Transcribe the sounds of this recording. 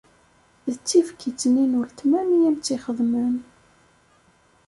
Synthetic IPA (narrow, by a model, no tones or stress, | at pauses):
ðət͡sːifkit͡sːninuɾt̪mænijæmt͡sːiχəðˤmən